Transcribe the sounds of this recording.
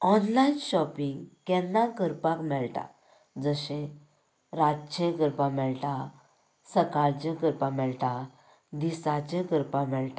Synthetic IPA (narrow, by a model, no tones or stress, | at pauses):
ɔnlainɕɔpiŋɡkɛ̃nːãkəɾpãkmɛɭʈa̰ | d͡zəɕẽ | ɾat͡ɕẽkəɾpãmɛɭʈa | səkaɾt͡ɕẽkəɾpãmɛɭʈã | d̪isat͡ɕɛ̃kəɾpãmɛɭʈa